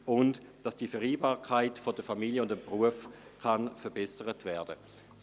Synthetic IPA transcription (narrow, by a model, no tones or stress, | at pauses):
ʊnd | d̥ɑsd̥ifɛʁiːbaːkʰaɪtfodəfamiljəʊndəmpʁuəfkanfəɐbɛsəʁətvɛːɐdə